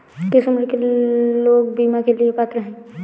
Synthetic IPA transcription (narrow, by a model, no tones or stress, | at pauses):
kɪsʊməjkeloːɡ̚biːmakeliepaːt̪ɾəɦɛ̃ː